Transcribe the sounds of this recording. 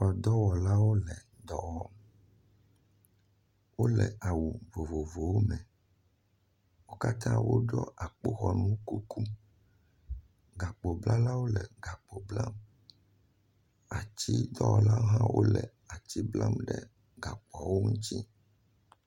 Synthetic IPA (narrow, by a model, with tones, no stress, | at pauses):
wɔ˨d̪ɔ˦wɔ˨la˦wo˦lɛ˨ | d̪ɔ˦wɔ˦m | wo˦lɛ˨ʔa˨wu˨vo˨vo˨vo˨wo˦mɛ̃˨ | wo˦ka˦t̪ã˦wo˦ɖɔ˦ʔa˨k͡po˦xɔ˨nũ˦ku˦ku˦ | ɡa˨k͡po˨bla˦la˦wo˦lɛ˨ɡa˨k͡po˨bla˦m | a˨t͡ɕi˦d̪ɔ˦wɔ˨la˦ɦã˦wʔo̰˦lɛ˨ | a˨t͡ɕi˦bla˦mɖɛ˨ | ɡa˨k͡pɔ˨wo˦ŋũ˦t̪i˦